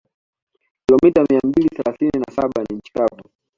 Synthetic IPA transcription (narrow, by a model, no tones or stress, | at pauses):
kilɔmitamiambiliθɛlaθininasaɓaniɲ̩t͡ʃi̥kabu